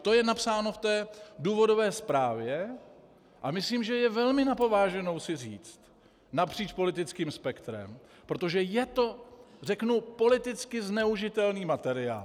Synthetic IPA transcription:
t̪o̞jɛnapsaːno̞ft̪ɛːduːvo̞do̞vɛːspɾaːvjɛ | ʔamɪsliːmʒɛjɛvɛlmɪnapo̞vaːʒɛno̞wsɪriːt͡st̪ | napr̝̥iːt͡ʃpo̞lɪt̪ɪt͡skiːmspɛkt̪ɾɛ̰m | pɾo̞t̪o̞ʒɛjɛt̪o̞r̝ɛknupo̞lɪt̪ɪt͡skɪznɛuʒɪt̪ɛlniːmat̪ɛɾɪa̰ːl

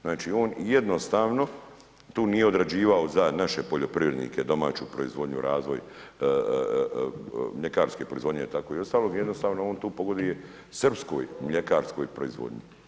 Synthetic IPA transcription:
znaːt͡ʃio̞ːnjed̪no̞st̪aːʋno | t̪uːnije̞o̞d̪ɾad͡ʑiːʋaozanaʃe̞po̞ʎo̞pɾiʋɾe̞d̪nḭːked̪o̞ma̰ːt͡ɕṵpɾoḭzʋo̞d̪ɲṵɾʔaːzʋo̞̰j | mʎe̞kaːɾske̞pɾoizʋo̞d̪ɲeit̪akoio̞st̪aːlo̞ːɡjed̪nost̪aːʋnooːnt̪uːpo̞ɡo̞d̪ije̞ | srpsko̰ːjmʎekaːɾsko̞̰jpɾoizʋo̰d̪ɲi

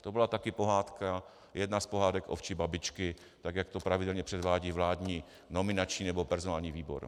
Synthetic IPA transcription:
t̪obɪlat̪akɪpo̞ɦaːt̪ka | jʔɛdnaspo̞ɦaːdɛkʔoft͡ʃɪbabɪt͡ʃkɪ | t̪aɡjakt̪o̞pɾavɪdɛlɲɛpr̝̥ɛdvaːɟivlaːdɲiː | no̞mɪnat͡ʃɲiːnɛbopɛɾzonaːlɲiːviːbo̞̰ɾ

